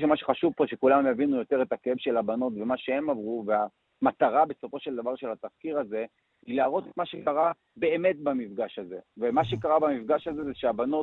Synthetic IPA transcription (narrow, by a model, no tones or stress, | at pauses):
ʃemaʃeχaʃuvpoʃekulammjavinujo̞t̪e̞ʁe̞takeevʃe̞labano̞t̪ve̞maʃehe̞mavʁuve̞a | mat̪aʁabe̞so̞fo̞ʃeld̪avaʁʃelhat̪afkiʁaze̞ | ilaːʁo̞t̪et̪maʃekaʁa | be̞eːme̞tbamifɡaʃhaze̞vemaʃe̞kaʁabamifɡaʃazezeʃeabano̞